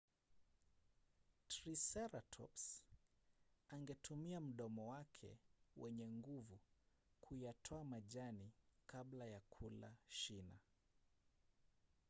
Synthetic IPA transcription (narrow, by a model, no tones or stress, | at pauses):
tɾisɛɾatʰɔ̰ps | aŋɡɛtʰumiam̩ɗɔmɔwakʰɛ̰wɛɲɛŋɡuvu | kʰujatʰɔamaʄanikʰaɓlajakʰula̰ʃina